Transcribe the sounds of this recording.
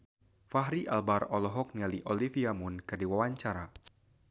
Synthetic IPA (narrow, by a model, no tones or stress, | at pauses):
faɦɾiʔa̰lbarɔlɔɦɔk̚nialiʔolifiamunkɨrdiwawaɲt͡ʃaɾa